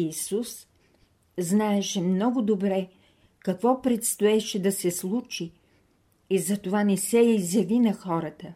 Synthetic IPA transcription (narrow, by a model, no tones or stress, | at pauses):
isus | znaɛʃɛmnɔɡʊd̪obɾɛ | kɐkvɔpɾɛt̪st̪oɛʃɛd̪ɐsɛslˠut͡ʃiː | zɐt̪ovanɛsɛjizjɐvinɐxɔɾət̪ə